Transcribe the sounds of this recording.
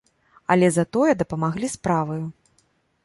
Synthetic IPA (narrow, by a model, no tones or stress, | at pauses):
ɐ̰lʲɛzat̪ɔjɛd̪ɐpɐmaɣlʲispɾavɐju